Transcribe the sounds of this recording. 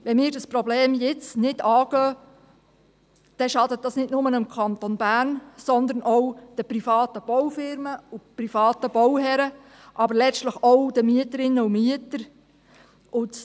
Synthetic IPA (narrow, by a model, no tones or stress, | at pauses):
ʋɛnmiːɾdɑsprɔbleːmjɪt͡snɪdɑːɡ̥œː | d̥ɛʃɑdət̚dɑsnɪtnʊmənɪmkʰɑnt̪onbæːɾnsɔnd̪əɾnɔwd̥əpɾifɑːtəb̥ɔwfɪɾməuprifɑːtəbɔwɦɛɾə | ʔɑbəɾlɛt͡ʃtləχɔwd̥əmyətəɾɪnːəumyətəɾ | ʔʊt